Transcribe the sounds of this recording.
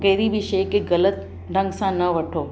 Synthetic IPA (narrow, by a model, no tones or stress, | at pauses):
ɡɛːɾiʋɪʃəkeɣɐlət̪ | ɾɐ̃ŋɡsãnɐʋɐʈʰoː